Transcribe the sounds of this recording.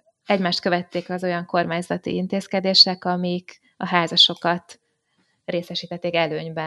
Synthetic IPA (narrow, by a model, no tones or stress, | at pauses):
ɛɟmaːʃt̪̚kø̞vɛt̪ːeːkɒzo̞jɒŋko̞rmaːɲzɒt̪ḭint̪eːskɛd̪eːʃɛkɒmik | ɒɦaːzɒʃo̞kɒt̪ | reːsɛʃiːt̪ɛt̪ːeːkɛløːɲbɛ